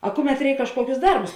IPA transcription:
ɐ ˈkʊˌmʲɛt ˈrʲɛɪk kɐʃˈkuɔkʲʊs ˈdɐrbʊs

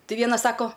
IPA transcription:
tʲɪ ˈʋʲiɛnɐs ˈsɑːkoː

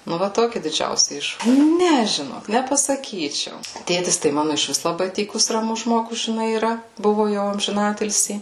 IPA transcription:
nʊ ˈʋɐ ˈtoːkʲɪ dʲɪd͡ʒʲɛʊsʲɪ ˈɪʃ ˈnʲɛ ʒʲɪˈnoːk nʲɛpɐsɐˈkʲiːt͡ʃʲɛʊ ˈtʲeːtʲɪs tɐɪ ˈmɑːnʊ ɪʃʲˈʋʲɪs lˠɐˈbɐɪ ˈtʲiːkʊs rɐˈmʊs ˈʒmoːɡʊs ʒʲɪˈnɐɪ iːˈrɐ ˈbʊʋʊ jɛʊ ɐmʲʒʲɪˈnɑːtʲɪlʲsʲiː

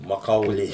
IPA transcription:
mɐˈkɐʊlʲeː

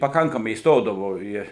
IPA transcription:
pɐˈkɐŋkɐmɐɪ iːsˈtoːdɐʋoː ˈiː

